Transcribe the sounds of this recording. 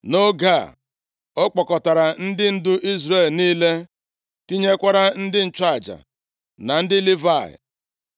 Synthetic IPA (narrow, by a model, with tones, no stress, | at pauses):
no˦ɡa˦˨ | o˦k͡pɔ˨kɔ˨ta˨ɾa˨n̩˦dɪ˦n̩˦dʊ˦ʔi˦zɾe˦˨lniː˦le˦ | ti˦ɲe˦kʷa˦ɾa˦n̩˦dɪ˦n̩˨t͡ʃa˦˨d͡ʒa̰˨ | na˨n̩˦dɪ˦li˦va˦˨ɪ̰˨